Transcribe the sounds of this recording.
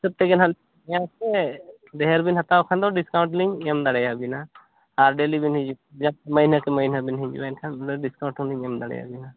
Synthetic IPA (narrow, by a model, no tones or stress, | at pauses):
səb̚t̪ɛɡɛnɦal | jãkɛ | d̪ɛɦɛɾbinɦat̪awkʰand̪ɔɖiskaw̃ɳʈliɲɛmd̪aɽɛjabina | aɾɖelibinɦid͡ʒu | d͡ʒamənakɛməɦinabinɦĩɲd͡ʒṵbaɛnkʰand̪ɔɖiskaw̃ɳʈʰuliɲɛmd̪aɽɛ̰ja̰bina